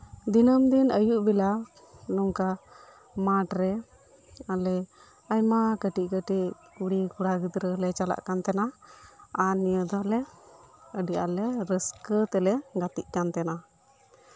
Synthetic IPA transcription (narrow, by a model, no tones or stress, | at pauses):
d̪inəmd̪inʔəjuʔbila | nɔŋka | maʈɾɛ | alɛ | ajmakəʈiʔ̚kəʈiʔ | uɽikuɽaɡəd̪ɾəlɛt͡ʃala̰ʔkant̪ɛna | anijəd̪ɔlɛ | əɖia̰lɛɾəskət̪ɛlɛɡat̪ḭʔ̚kant̪ɛna